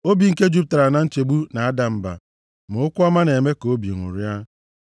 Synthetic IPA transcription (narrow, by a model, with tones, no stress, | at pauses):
o˦bi˨ŋ̩˨ke˦d͡ʒu˦p̚ta˨ɾa˨na˨n̩˦t͡ʃe˨ɡ͡bu˦na˨a˦da˨m̩˨ba̰˨ | mʊ˨˦ʊ˦kʷʊ˦a˦ma˦ne˨me˦ko˦bḭ˨ŋʊ̰˨ɾja˦